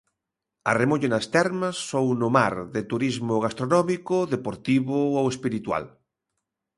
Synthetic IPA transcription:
ɐremoʎenast̪ɛɾmɐsːownʊmaɾðɪt̪uɾizmʊɣast̪ɾonɔmikʊðepoɾt̪iβʊowespiɾit̪wa̰l

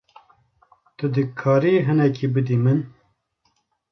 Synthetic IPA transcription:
t̪ɨd̪ɨkʰɑːɾiɦɨnɛkibɨd̪imɨn

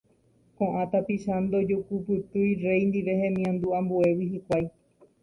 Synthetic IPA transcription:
kõʔãt̪apiʃand̪od͡ʒokupɨt̪ɨjre̞jnd̪iʋe̞ɦẽmĩãnd̪uãmbue̞wiɦikʷaj

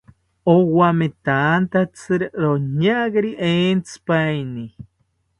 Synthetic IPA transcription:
owamet̪ant̪at͡sɨɾɾoɲaɣeɾiʔent͡sɨ̥pajni

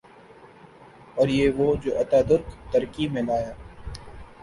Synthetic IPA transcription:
ɔːɾjeːʋoːd͡ʒoːʔɐt̪aːd̪ʊɾkt̪ɐɾkimẽlaːjaː

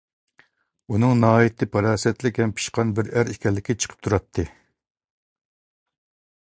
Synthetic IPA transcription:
unɨŋnɑːjit̪ʰɪpʰɑɾɑːsɛt̪lɪkʲɛmpʰi̥ʃqɑnbɪɾæɾikʲʰɛlːɪkʲɪt͡ʃʰə̥qʰə̥p̚t̪ʰuɾɑt̪ʰːɨ

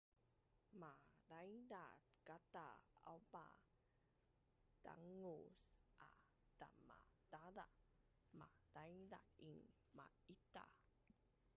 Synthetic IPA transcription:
madajdatkataaba̰ | ta̰ŋusʔa | tama̰tada | madajda̰iŋ | ma | it̪a̰

